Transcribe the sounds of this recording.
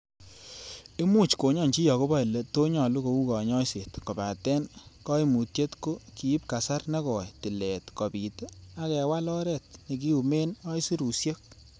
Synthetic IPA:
e˦mu˦t͡ʃko˨ɲɔ˦˨nt͡ʃi˦jɔ˨ko˦ba˦i˨le˨to˦ɲɔ˨lu˦ko˨u˦kɔ˨ɲɔ˦i˦se˨tkɔ˨ba˨tɛ˦nkɔ˦i˦mu˨tje˦tko˦kiː˨˦p̚ka˨sa˦rne˦kɔ˨jti˨lɛ˨tkɔ˨pi˨te˦a˦kɛ˨wa˦lɔ˦ɾɛ˦˨t̚ne˨k̬i˦u˨me˦nɔ˦i˦si˦ɾu˨sje˦k̚

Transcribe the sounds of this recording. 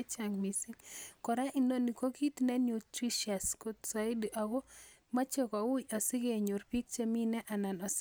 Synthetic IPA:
t͡ʃa˨ŋmi˨si˦ŋkɔ˨ɾa˦ʔi˨no˦ni˨ko˦ki˦tnɛ˦nju˨tɾi˦ʃja˨sko˨t̪sa˨ɪ˦dʔa˨ɡo˦ | ma˦t͡ʃe˦kɔ˨wu˦ɔ˨sɪ˦ɡe˨ɲo˨ɾpi˦k̚t͡ʃe˦mi˦nɛ˦ʔa˨na˨nɔ˨s

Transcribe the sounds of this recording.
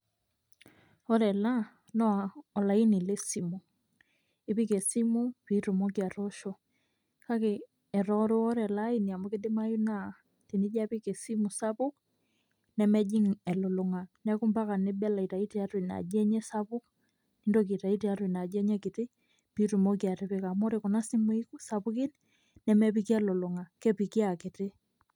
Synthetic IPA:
ɔ˦ɾɛ˨la˦ | nɔ˦a˨ɔ˨la˨i˦nɪ˨le˦si˨mu˨ | ɪ˦pi˦ke˨si˦mu˦pi˦tʊ˨mɔ˦kja˨ɾɔ˦ʃɔ˨ | ka˦kɪ˨ | ɛ˨ɾɔ˦ɾo˦ɔ˦ɾɛ˨la˦i˦ni˨a˨mɔ˦kɪ˦dɪ˦ma˦ju˦na˦˨ | ti˨nɪ˦d͡ʒa˦pi˦ke˨si˦mu˨sa˦pʊ˦k̚ | nɛ˨mɛ˦d͡ʒi˦ŋɛ˨lo˨lʊ˨ŋa˨nɛ˦kʊ˦mba˦ka˨nɪ˦bɛ˦la˨i˨ta˨i˦ti˦a˦twi˨na̰˨d͡ʒɛ˦ɲɛ˦sa˦pʊ˦k | ni˦ndok̬i˨ta˨i˦ti˦aɾwi˨na˨d͡ʒɛ˦ɲɛ˦kɪ˨tɪ˦ | pi˦tu˨mo˦kja˨tɪ˦pe˦ka˨mɔ˦ɾekɔ˨na˦si˦mu˦i˦ku˦sapʊ˦kɪ˦n | nɛ˨mɛ˦pikja˦lo˨lʊ˨ŋa˨kɛ˦pi˨ki˦a˨kɪ˨tɪ˦

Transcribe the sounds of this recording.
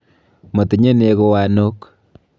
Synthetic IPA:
mo˨ti˨ɲe˦ne˨ko˦wa˨no˦k

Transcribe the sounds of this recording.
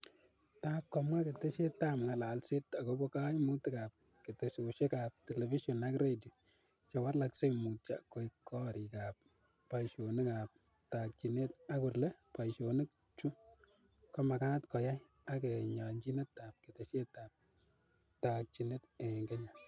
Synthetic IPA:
ta˦p̚kɔ˨mwa˦ke˨te˦ʃe˦ta˦mŋa˨la˨lse˦ta˨ko˦bɔ˦ka˦jmu˦tɛ˦ka˨p̚ | ke˨te˨ʃo˨ʃe˦ka˨p̚tɛ˨lɛ˨vi˦ʃɔ˨na˦kredio˨ | t͡ʃɛ˨wa˦rla˨kse˦mu˨t̚t͡ʃa̰˨ko˨ikːɔ˦ɾi˨ka˨p̚ː | a˨jʃo˨nɪ˦ka˨p̚ | ta˨k̚t͡ʃi˨ne˦ta˦kʊ˨rlɛ˦pa˨ʃo˨nɪ˦k̚ | t͡ʃu˦ | kɔ˦ma˨ka˦ntkɔ˨ja˦j | a˦kɛ˨ɲa˨ɲd͡ʒi˦nɛ˦ta˨p̚ke˨te˨ʃe˦ta˨p̚ | tak̚t͡ʃi˨ne˦te˨ŋɡɛ˦ɲa˨

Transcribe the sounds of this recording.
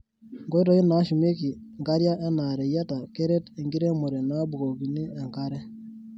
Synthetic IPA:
ŋɡɔ˦i˦ɾɔ˨˦i˦na˨˦ʃu˨me˦ki˨ŋɡa˦ɾja˦ʔa˦na˨ɾɛ˨ja˦ta˨kɛ˦ɾɛ˦te˨ŋɡi˦ɾe˦mɔ˨ɾe˨na˦bu˨ɡo˨ki˨ni˦a˨ŋɡa˦ɾɛ˦

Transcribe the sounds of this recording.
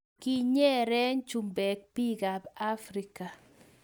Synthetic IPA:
ki˦ɲɛ˦ɾɛ˦ɲt͡ʃu˨mbɛ˨k̚pi˦ɡa˨ba˦fɾi˨˦ka˨

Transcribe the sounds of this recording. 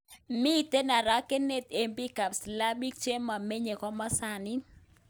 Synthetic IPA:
mi˦t̪e˦na˨ɾa˦ke˦ne˦t̪e˨mbi˦ka˨bsla˦bi˦k̚t͡ʃe˦ma˨me˦ɲe˨kɔ˦ma˦sa˨ni˦n

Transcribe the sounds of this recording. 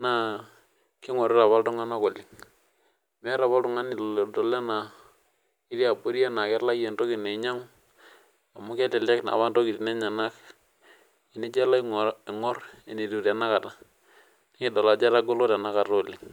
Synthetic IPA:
na˦ | kɪ˦ŋɔ˨ɾɪ˦ɾa˨βa˦ltʊ˦ŋa˦na˦ko˨lɪ˨ŋ | mɛ˦ɾa˨βa˦ltʊ˨ŋa˦ni˨ldɔ˨lɛ˦na˨ | ɪ˦ɾi˦a˨bo˦ɾja˦na˨kɛ˦la˦je˨nto˦kɪ˨ne˨˦ɲa˦ŋ˦ | a˨mu˦ke˦tɛ˨lɛ˦kna̰˨βa˦nto˦ki˨ti˨ne˦ɲa˨na˦k | i˨ni˦d͡ʒɛ˦la˦˨ɪ˨ŋɔ˦re˨ni˨ɾu˨ɾa˨na˦ka˨ta˨ | n˦kɪ˨dɔ˨la˨d͡ʒɛ˦la˦ɡo˦lo˦ta˨na˦ka˨ɾo˦˨lɪ˨ŋ

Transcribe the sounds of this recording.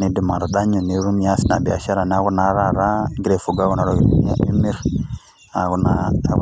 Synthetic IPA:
ni˨di˨ma˨ɾɔ˨ɗa˦ɲu˨ni˨˦ɾu˦mi˨a˦si˦na̰˨bi˨a̰˨ʃa˦ɾa˨na˦ɣu˦na˨ɾa˦˨ɾa˦ɡiɾe˨fu˨ɡa˦ɣu˦na˦ɾo˦˨ɡɾi˦mi˦ɾ | a̰˨ɣu˦na˨

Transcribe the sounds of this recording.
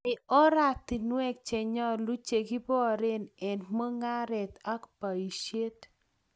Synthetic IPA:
ɪ˨ɔ˦ɾa˦˨t̪i˨nwɛ˦k̚t͡ʃe˨ɲɔ˦lu˦t͡ʃe˨ki˦pɔ˦˨ɾɪ˦nɛ˨nmo˦ŋa˦ɾɛ˨t̪a˦kpa˨i˨ʃje˦t

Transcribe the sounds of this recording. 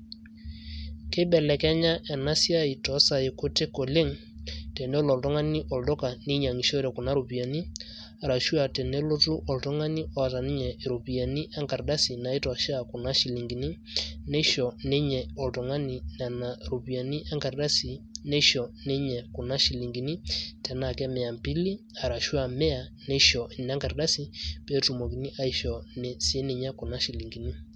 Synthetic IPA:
ke˦ɓɛ˨lɛ˨kɛ˦ɲa˦ʔɛ˨na˦si˦a˦i˨tɔ˨˦sa˨e˨ko˦te˦ko˨le˦ŋ | tɛ˨nɛ˦lɔ˨ltɔ˦ŋa˦ni˦ʔɔ˨ldɔ˦ka˨ni˦ɲa˨ŋi˨ʃɔ˦ɾɛ˨ku˨na˨˦ɾo˨pi˨a˨ni˦ | ɾa˨ʃu˦a˨tɛ˨nɛ˦lo˦tu˦ʔɔ˨ltɔ˦ŋa˦ni˦ɔ˦a˨ta˨ni˦ɲɛ˨ɾo˨pi˨a˨ni˦ʔa˦ŋka˨ɾɗa˦si˨na˨e˦tɔ˨ʃa˨ko˨na˦ʃi˨li˨ŋɡi˨ni˦ | nɛ˦ʃɔ˨nɛ˦ɲɛ˨ɔ˨tɔ˨ŋa˦ni˨na˨na˨ɾo˨pi˨a˨ni˦ʔa˦ŋɡa˨ɾda˦si˨nɛ˦ʃɔ˨ne˦ɲɛ˨ko˨na˦ʃi˨li˨ŋɡi˨ni˦tɛ˨na˦˨kɛ˦mɛ˨a˨mpi˦li˦ | a˨ɾa˨ʃu˦a˨mɛ˦a˨nɛ˦ʃɔ˨ʔe˨na˦ŋɡa˨ɾda˦si˨pɛ˦tu˨mɔ˨ki˨ni˦ʔa˦i˦ʃɔ˨nɛ˨se˦ne˨ɲa˦ko˨na˦ʃi˨li˨ŋɡi˨ni˦

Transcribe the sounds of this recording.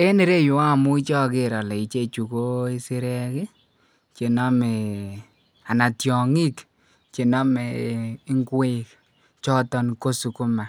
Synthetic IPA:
e˦ne˦ɾe˦˨jʊ˨a˦˨mʊ˦i˦t͡ʃɔ˦kɪ˦ɾɔ˨lɛ˨i˨t͡ʃe˦˨t͡ʃu˨ko˦i˦sɪ˦ɾɛ˦kɪ˦ | t͡ʃe˨nɔ˦mɛ˨ | a˨na˨tjɔ˨ŋi˦k | t͡ʃe˨nɔ˦mɛː˨˦ŋɡwe˦k | t͡ʃɔ˦tɔ˦nko˦su˨kʊ˦ma˨

